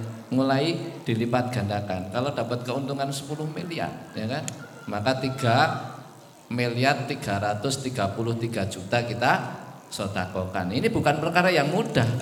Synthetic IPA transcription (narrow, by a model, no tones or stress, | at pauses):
ŋulaid̪̥i̤lipat̪̚ɡ̥a̤nd̪akankalod̥a̤pat̪̚kəunt̪uŋansə̥pulʊhmilia̰rjakan | makat̪iɡ̥a | miliart̪iɡ̥a̤ɾat̪ʊst̪iɡ̥a̤pulʊht̪iɡ̥a̤d͡ʒ̥ut̪akit̪a | sot̪akɔka̰ninib̥ukanpərkaɾajaŋmud̥ah